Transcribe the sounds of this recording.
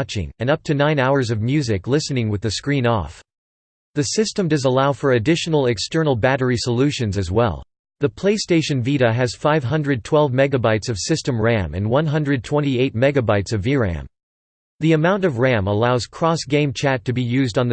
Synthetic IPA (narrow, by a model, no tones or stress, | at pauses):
t͡ʃɪ̰̃ŋɨ̃nʌp̚tʰɨnãɪ̃naʊə˞zʌvmjʉzɨklɪsɨnɪ̃ŋwɨðɨskɹĩnɔ̰f | ðɨsɪstɨ̃mdʌzəlaʊfə˞ɨdɪʃn̩l̩ˠɨkstɜ˞nl̩ˠbæɾə˞isəlʉʃɨ̃nzɨzwɛ̰lˠ | ðɨpʰl̥eɪsteɪʃɨ̃nviɾɨɨz̥faɪv̥ɦʌ̃ndɹɨd̚tʰw̥ɛlˠvmɛɡɨbaɪtsʌv̥sɪstɨ̃mɹæ̃mɨ̰̃nwʌ̃nɦʌ̃ndɹɨd̚tʰw̥ɛ̃ɾñtieɪt̚mɛɡɨbaɪtsʌviɹæ̰̃m | ðiɨmãʊ̃ntʌvɹæ̃məlaʊz̥kʰɹ̥ɔsɡ̥ẽɪ̃mt͡ʃʰætɨbijʉzdn̩ð